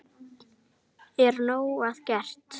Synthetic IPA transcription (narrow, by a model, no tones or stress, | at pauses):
ɛɾnoːwaðcɛr̥t̪